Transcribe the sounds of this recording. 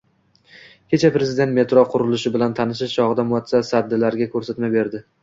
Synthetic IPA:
kʲʰe̞t͡ʃʰapɾe̞zɪd̪e̞nt̪me̞t̪ɾɒqʰʊɾʊlɪʃɪbɪlant̪ʰanɪʃ̬ɪʃt͡ʃʰɒʁɨd̪amʊat̪sasad̪ːɪlaɾɡʲakʲʰɵɾsat̪mabe̞ɾd̪ɪ

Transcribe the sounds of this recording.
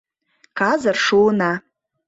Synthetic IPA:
kʰazarʂuna

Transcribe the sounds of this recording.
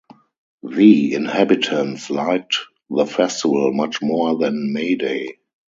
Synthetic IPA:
ðiɪ̃nhæbɪtʰə̃ntslaɪk̚t | ðəfɛstɪvəlmat͡ʃmɔðɛ̃nmeɪdeɪ

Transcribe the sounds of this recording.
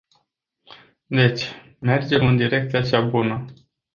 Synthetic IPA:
d̪e̞t͡ʃʲ | me̞rd͡ʒe̞mɨnd̪iɾe̞k̚t̪sijat͡ʃabunə

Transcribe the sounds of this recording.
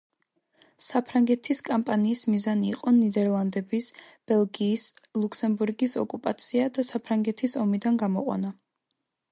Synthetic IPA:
sapʰɾaŋɡɛt̪ʰiskʼampʼaniːsmizaniːqʼɔnid̪ɛɾlˠand̪ɛbisb̥ɛlˠɡiːslˠukʰsɛmbuɾɡisɔ̰kʼupʼat̪sʰiad̪asapʰɾaŋɡɛt̪ʰisɔmid̪anɡamɔqʼwa̰na

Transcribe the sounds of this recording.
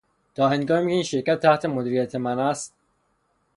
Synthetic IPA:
t̪ʰɒːɦenɡɒːmicʰeiːnʃeɾcæt̪̚ʰːæht̪ʰemod̪iːɾijæt̪ʰemænæst̪̚

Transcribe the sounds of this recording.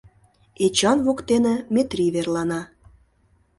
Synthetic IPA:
et͡ɕɑnβokt̪enĕmet̪rʲiβerlɑnɑ

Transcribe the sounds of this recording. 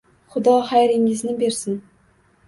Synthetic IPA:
χʊd̪ɒχajɾɪŋɪznɪbe̞ɾsɪn

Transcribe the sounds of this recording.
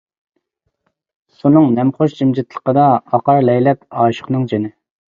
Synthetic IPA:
sunɨŋnɛmχoʃd͡ʒimd͡ʒɪt̪lˠə̥qəd̪ɑɑqɑɾlɛjlɛpɑːʃə̥χnɨŋd͡ʒenɪ

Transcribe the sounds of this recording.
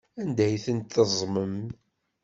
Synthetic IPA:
ænd̪æjθənt̪θəzˤməm

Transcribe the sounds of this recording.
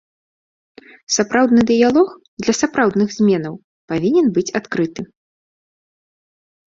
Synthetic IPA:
sapɾawd̪nɨd̪ɨjalˠɔx | d̪lʲɐsapɾawd̪nɨɣzʲmʲɛnɐw | pavʲinʲɛnbɨt͡sʲat̪kɾɨt̪ɨ

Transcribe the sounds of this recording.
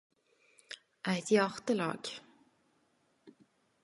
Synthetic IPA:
ʔæɪt̪jɑʁt̪əlɑ̰ːɡ̥

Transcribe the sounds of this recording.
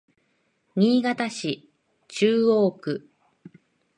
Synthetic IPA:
ɲ̟ʲiːɡat̪aɕi | t͡ɕɨːo̞ːkɯ̟

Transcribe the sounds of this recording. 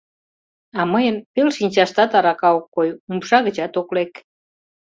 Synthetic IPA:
ɑməjənpelʃinʲt͡ɕɑʃt̪ɑt̪ɑɾɑkɑokːojumʃɑɣət͡ɕɑt̪oklek

